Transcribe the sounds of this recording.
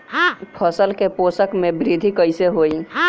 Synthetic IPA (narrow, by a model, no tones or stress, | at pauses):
ɦapʰəsəlkepoːsəkmẽbɾɪd̪ʱikəɪseɦoːiɦã